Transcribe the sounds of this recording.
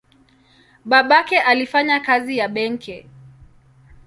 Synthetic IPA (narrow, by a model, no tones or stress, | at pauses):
ɓaɓakɛʔalifaɲakazijaɓɛŋkɛ